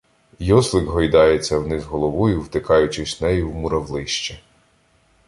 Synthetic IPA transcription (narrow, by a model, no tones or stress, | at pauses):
jɔslˠɪɡɦɔjd̪ɑjet͡sʲːɐwnɪzɦɔlˠɔʋɔjʊwt̪ɪkɑjʊt͡ʃɪsʲnɛjiwmʊɾɐwlˠɪʃt͡ʃɛ